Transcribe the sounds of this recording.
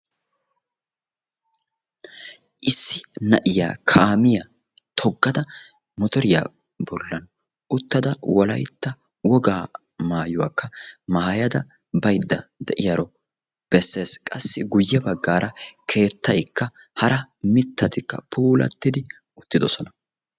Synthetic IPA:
ʔɪsːɪnɐʔɪja̰ːkʰaːmɪja | t̪ʰɔɡːɐd̪ɐ | mɔt̪ɔɾɪja̰ː | bɔlːɐn | ʔʊt̪ːɐd̪ɐwɔlɐjt̪ːɐ | wɔɡaː | maːjʊwa̰ːkːɐmaːjɐd̪ɐ | bɐjd̪ːɐd̪ɛʔɪjaɾɔ | b̥ɛsːe̞ːskʼɐsːɪɡʊjːɛbɐɡːaːɾʔɐkʰe̞ːt̪ːɐjkːɐ | hɐɾɐmɪt̪ːɐt̪ɪkːɐ̰pʰuːlɐ̰t̪ːɪd̪ɪ | ʊt̪ːɪd̪ɔsɔnɐ

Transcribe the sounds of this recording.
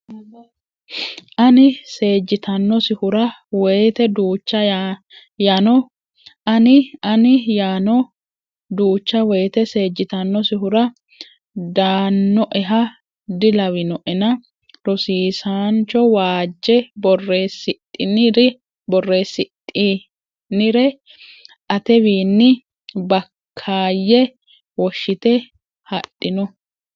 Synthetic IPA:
ʔɐnɪse̞ːd͡ʒːɪt̪ɐnːɔsɪhʊɾɐwɛjt̪ɛd̪uːt͡ʃːɐ | janɔ | ɐnɪɐnɪjaːnɔ | d̪uːt͡ʃːɐwɛjt̪ɛse̞ːd͡ʒːɪt̪ɐnːɔsɪɦʊɾɐ | d̪aːnːɔʔɛɦɐ | d̪ɪlɐwɪnɔʔɛnɐ | ɾɔsiːsaːnt͡ʃːɔwaːd͡ʒːɛbɔrːeːsɪt̪ʼːɪnɪɾɪ | bɔrːeːsɪt̪ʼːi | nɪɾɛ | ʔɐt̪ɛbiːnːɪ | bɐkʰːaːjːɛ | wɔʃːɪt̪ɛ | hɐɗːɪnɔ

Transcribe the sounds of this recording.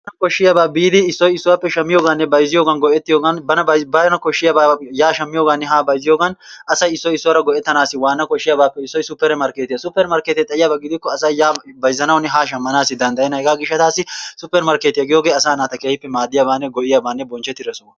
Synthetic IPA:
ɐnɐkɔʃːɪjabaːbiːd̪ɪːsːɔjɪsːʊwaːpːɛʃɐmːɪjoːɡɐnːɛbɐjzɪjoːɡɐnɡɔʔɛt̪ːɪjoːɡɐnbɐnɐɐbɐjnɐkɔʃːɪjabaːjaːʃɐmːɪjo̞ːɡɐnːɛɦaːbɐjzɪjo̞ːɡɐn | ʔɐsɐjɪsːɔjɪsːʊwaɾɐɡɔʔɛt̪ːɐnaːsːɪwaːnːɐkɔʃːɪjaːbaːpːɛɪsːɔjsʊpːɛɾmɐɾkeːt̪ɪjasʊpːɛɾmɐɾkeːt̪ɛt̪ʼɐʔɪjaːbaːɡɪd̪ɪkːɔɐsɐjaːbɐjzːɐnɐwʊnːɛɦaːʃ̬ɐmːɐnaːsːɪd̪ɐnd̪ɐjɛnɐhɛɡaːɡɪʃːɐt̪aːsːɪsʊpːɛɾmɐɾkeːt̪ɪjaɡɪjoːɡe̞ːɐsaːnaːt̪ɐkeːhɪpːɛmaːd̪ːɪjaːbaːnːɛɡɔʔɪjabaːnːɛbɔnt͡ʃːɛt̪ːɪɾɛsɔ

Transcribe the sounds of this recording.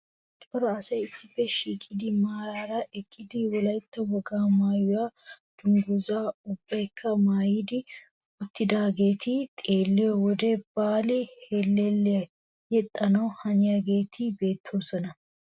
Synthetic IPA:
t̪ɔɾɔɐsɐjɪsːɪfːɛʃiːkʼːɪd̪ɪmaːɾaːɾɐʔɛkʼːɪd̪ɪwɔlɐjt̪ːɐwɔɡaːmaːjʊwaːd̪̥ʊnd̪ʊzaːʊbːɐjkʰːɐmaːjɪd̪ɪ | ʊt̪ːɪd̪aːɡeːt̪ʰit̪ʼeːlːɛjɔwɔd̪ɛb̥aːlɛhelːɛlːɛ | jɛt̪ʼːɐnɐwhɐnɪjaɡe̞ːt̪ʰibe̞ːt̪ʰːoːsɔnɐ

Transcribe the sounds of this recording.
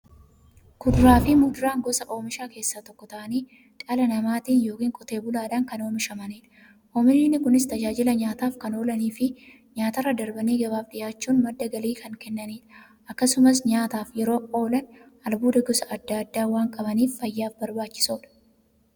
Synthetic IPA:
kʊd̪ʊɾaːfɪmʊd̪ʊɾaːŋɡɔsɐʔo̞ːmɪʃaːke̞ːsːaːt̪ɔkːɔt̪ɐʔɐniː | ᶑʼɐlɐnɐmaːt̪iːnjo̞ːkiːŋkʼɔt̪e̞ːbʊlaːᶑɐŋkɐno̞ːmɪʃɐmɐniːᶑɐ̥ | ʔoːmɪnɪnːɪkʊnɪst̪ɐd͡ʒaːd͡ʒɪlɐɲaːt̪aːfkɐno̞ːlɐniːfɪ | ɲaːt̪ɐrːɐd̪ɐɾbɐneːɡɐbaːfᶑɪjaːt͡ʃːuːnmɐd̪ːɐɡɐliːkʰɐŋkɛnːɐniːᶑɐ̥ | ʔɐkːɐsʊmɐs̬ɲaːt̪aːfjɛɾo̞ːoːlɐn | ɐlbuːd̪ɐɡɔsɐʔɐd̪ːad̪ːaːwaːŋkʼɐbɐniːfːɐjːaːfbɐɾbaːt͡ʃːɪ̥soːᶑɐ̥

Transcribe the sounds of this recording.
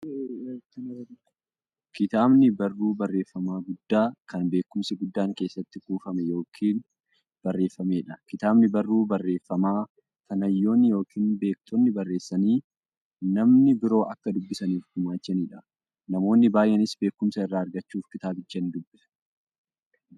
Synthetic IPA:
kɐnɐ | kɪt̪aːbnɪbɐrːuːbɐrːe̞ːfːɐmaːɡʊd̪ːaːkɐnbe̞ːkːʊmsɪɡʊd̪ːaːŋke̞ːsːɐt̪ːɪkuːfɐmɛjo̞ːkʰiːn | b̥ɐrːe̞ːfːɐmeːᶑɐkɪt̪aːbnɪbɐrːuːbɐrːe̞ːfːɐmaː | tɐnɐjːo̞ːnːɪjo̞ːkʰiːnbe̞ːk̚t̪ʰɔnːɪbɐrːe̞ːsːɐniː | nɐmnɪbɪɾo̞ːʔɐkːɐd̪ʊbːɪsɐniːfd̪ʊmaːt͡ʃːɐniːᶑɐ | nɐmo̞ːnːɪbaːjʔɛnɪsbe̞ːkːʊmsɐɪrːaːɐɾɡɐt͡ʃːuːfkɪt̪aːbɪd͡ʒːɐnd̪ʊbːɪ̥

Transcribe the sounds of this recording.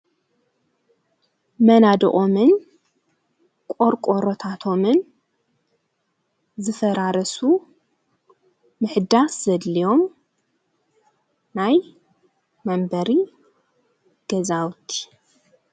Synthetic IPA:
mɐnad̪ɨ̰ʔʼomɨn | kʼoɾkʷʼoɾot̪ʰat̪ʰo̞mɨn | zɨfɐɾaɾɐsu | ɨħɨd̪aszɐd̪lijo̞m | naj | mɐmbɐɾi | ɡ̥ɐzawt̪ʰi̥

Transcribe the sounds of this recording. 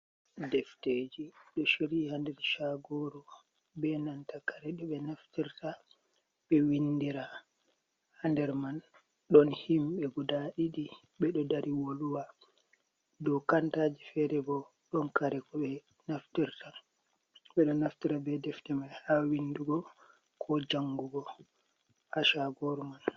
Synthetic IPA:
dɛfted͡ʒiɗɔʃiɾihandɛɾʃaɡɔɾɔ | bɛnantakaɾɛɗɔɓɛnaftiɾta | ɓɛwindiɾa | handɛɾman | ɗɔnhimɓɛɡudaɗiɗi | ɓɛɗɔdaɾʔiwoluwa | dɔwkantad͡ʒifɛɾɛbɔ | ɗɔnkaɾɛkɔɓɛ | naftiɾta | ɓɛɗɔnaftiɾabɛdɛftɛmanhawinːduɡɔ | kʰɔd͡ʒaŋɡuɡɔ | aʃaɡɔɾman

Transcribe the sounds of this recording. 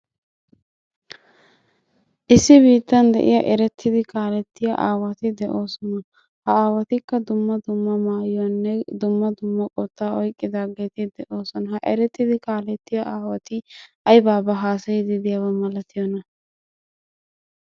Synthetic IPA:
ʔɪsːɪbiːt̪ːɐnd̪ɛ̰ʔɪ̰jɐʔɛɾɛt̪ːɪd̪ɪkaːlɛt̪ːɪjɐ̰ʔa̰ːwɐt̪ɪd̪ɛʔo̞ːsɔnɐ | hɐaːwɐt̪ɪkːɐd̪ʊmːɐd̪ʊmːɐmaːjɐnːɛd̪ʊmːɐd̪ʊmːɐkʼɔt̪ːaːɔjkʼːɪd̪aːɡeːt̪ɪd̪ɛʔo̞ːsɔnɐhɐʔɛɾɛt̪ːɪd̪ɪkaːlɛt̪ːɪjɐʔaːwɐt̪ɪʔɐjbaːbɐɦaːsɐjɪd̪ɪd̪ɪjɐwɐmɐlɐt̪ʰɪjɔnɐ

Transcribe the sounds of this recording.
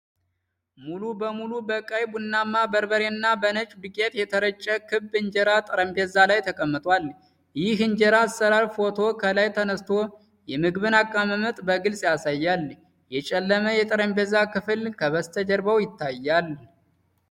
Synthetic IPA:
mulubəmulubəkʼajbunːamːabəɾbəɾenːabənət͡ʃʼdɨkʼet̪jɛt̪ʰəɾət͡ʃʼːəkʰɨbːɨɲd͡ʒɛɾat̪ʼɨɾəmbɛzalajt̪ʰəkʼəmːɨt̪ʼwal | jɪɦɨɲd͡ʒɛɾasːəɾaɾfo̞t̪ʰo̞kʰəlajt̪ʰənəst̪ʰo̞ | jɛmɨɡβɨnakʼːaməmət̪ʼbəɡɨlsʼjasajːal | jɛt͡ʃʼɛlːəməjɛt̪ʼɨɾəmbɛzakɨfɨlkʰəβəst̪ʰəd͡ʒəɾbəwjɪt̪ʰːajːal

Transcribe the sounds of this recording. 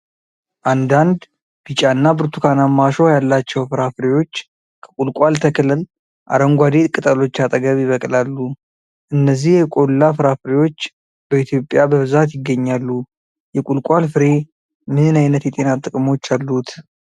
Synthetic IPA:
ʔand̪and̪ | b̥it͡ʃʼanːabɨɾt̪ʰukʰanamːaʃojalːat͡ʃːɛwfɨɾafɨɾewo̞t͡ʃː | kʰə̥kʼulkʼalt̪ʰəkʰlɨl | ʔa̰ɾəŋɡʷad̪et̪ʼkʼɨt̪ʼəlo̞t͡ʃːat̪ʼəɡəβjɪβəkʼlalːu | ʔɨnːəzːihjɛkʼo̞lːafɨɾafɨɾewo̞t͡ʃː | bəit̪ʰjo̞pʼjabəβɨzat̪jɪɡːəɲːalːu | jɛkʼulkʷʼalfɨɾe̞ | mɨnɨnajnət̪jɛt̪ʼe̞nat̪ʼɨkʼɨmo̞t͡ʃːalːut̪

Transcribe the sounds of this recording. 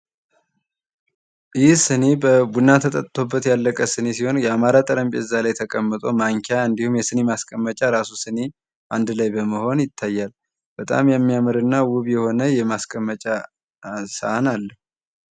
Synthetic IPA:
ʔjihsɨne̞bəbunːat̪ʰət̪ʼət̪ʼt̪ʰo̞bːət̪jalːəkʼəsɨne̞siho̞njɛamaɾat̪ʼɨɾəmbeɨzːalajt̪ʰəkʼəmːɨt̪ʼo̞maŋkʰaɨnd̪ihumjɛsɨne̞maskʼəmːət͡ʃʼaɾasusɨne̞ | ʔand̪ɨlajbəməho̞njɪt̪ʰːajːal | b̥ət̪ʼa̰mjɛmːijamɨɾɨnːawʊβjɛho̞nəjɛmaskʼəmːət͡ʃʼa | səanalːə

